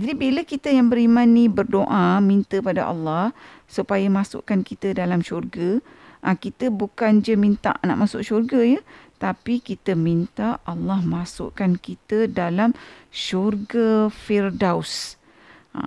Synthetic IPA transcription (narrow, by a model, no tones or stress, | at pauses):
d͡ʒadibiləkit̪əjaŋbəɾimãnĩbərdoʔamint̪əpada̰ʔɑ̰lːɑh | supajamasʊ̰ʔkankit̪ədalamʃurɡa | ʔakit̪əbukand͡ʒəmint̪a̰ʔna̰ʔmasʊ̰ʔʃurɡajət̪apikit̪əmint̪aːlːɑhmasʊ̰ʔkankit̪ədalamʃurɡafirdaws